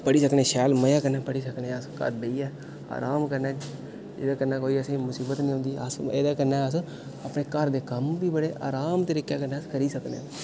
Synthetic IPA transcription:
pəɽiːsəkneːʃɛːlməjãːkəɾnãːpəɽiːsəkneːskə̰ɾbəiːɛː | a̰ːɾaːmkəɾnɛː | d͡ʒɪ̰ːd̪aːkəɾnːaːkoːiːəsẽːmʊsiːbət̪nĩɦʊ̃nd̪iːəsḛːd̪aːkəɾnaːəs | apneːkəɾd̪eːkəmbiːbəɽeːʔa̰ːɾaːmt̪əɾiːkjaːkəɾnaːəskəɾiːsəknḛː

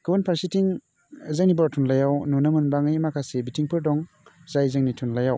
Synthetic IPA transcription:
kɯwunpʰaɾsitiŋ | zaŋnibaɾtʰunlajawnɔnɐmɯnbaŋɯjmakʰasebitiŋpʰɯɾdɔŋ | zajzɯŋnitʰunlajaw

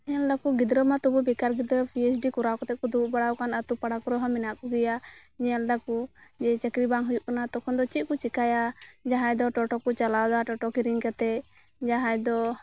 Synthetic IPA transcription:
ɛɲald̪akuɡid̪ɾəmat̪ubɔbikaɾɡid̪ɾəpʰiɛsɖikuɾakɔt̪ɛkud̪uʔbaɽawkanat̪upaɽakuɾɔɦɔmɛnaʔkɔɡɛjaɲɛald̪akud͡ʒɛt͡ʃɛkɾibaŋɦujuʔkanat̪ɔkʰɔnd̪ɔt͡ʃit̪̚ˀkut͡ʃikajad͡ʒaɦãjd̪ɔʈɔʈɔkut͡ʃalawd̪aʈɔʈɔkiɾiŋkat̪ɛ | d͡ʒaɦajd̪ɔ

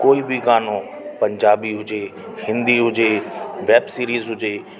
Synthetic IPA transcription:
koːibʱiɡaːno | pɐ̃ɲd͡ʑaːbiɦʊd͡ʑe | hɪ̃nd̪iɦʊd͡ʑeʋɛːbsiːɾiːzɦʊd͡ʑe

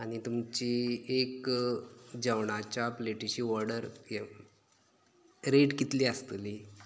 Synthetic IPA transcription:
añit̪umt͡ɕiek | d͡ʑəʋɳat͡ɕapleʈiɕiːʋɔɾɖəɾ | ɾeʈkit̪liːəst̪liː

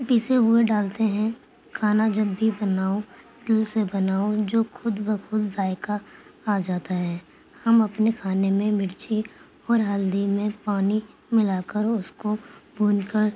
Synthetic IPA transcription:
piːseɦʊeɖaːlt̪eɦɛ̃ | kʰaːnad͡ʒɐbːibɐnaːo | d̪̥ɪlsebɐnaːod͡ʒoːxʊd̪bəxʊd̪zaːɪkaːd͡ʒaːt̪aɦɛː | hɐmɐpnekʰaːnemẽmɪɽt͡ʃi | ɔːɾɦɐld̪imẽpaːni | mɪlaːkəɾʊskobʱuːnkəɾ

